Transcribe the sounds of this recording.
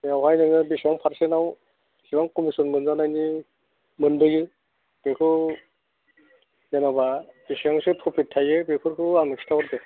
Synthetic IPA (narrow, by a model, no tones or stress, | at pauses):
jawɦajnɯŋɯbisaŋpʰaɾsenaw | siwaŋkɔmisɔnmɯnzanajni | mɯnbɯjɯ | b̥ekʰɯ | janababisaŋsɯtʰɔpʰitʰːajɯbekʰɯɾkʰɯaŋɯstʰawɾbe